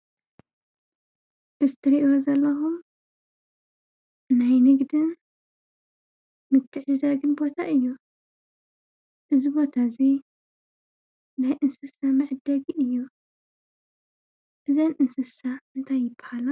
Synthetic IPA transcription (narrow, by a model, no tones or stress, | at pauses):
ʔɨzt̪ʰɨɾiʔozɐlːɐxum | ajnɨɡd̪ɨn | mɨt̪ʰːɨʕzɨzaɡɨnbo̞t̪ʰaʔɨjːu | ʔɨzibo̞t̪ʰazi | najʔɨnsɨsamɨʕd̪ɐɡiʔɨjːu | ʔɨzɐnʔɨnsɨsaʔɨnt̪ʰajːɪbɐ̥halɐ